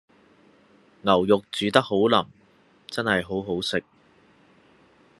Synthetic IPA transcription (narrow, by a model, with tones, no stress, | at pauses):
ŋɐ˨˩wjʊ˨k̚t͡syː˨˥t̪ɐ˥k̚ho˨˥wlɐ˨˩ŋ | t͡sɐ˥nhɐ˨jɦo˨˥wɦo˨˥wsɪ˨k̚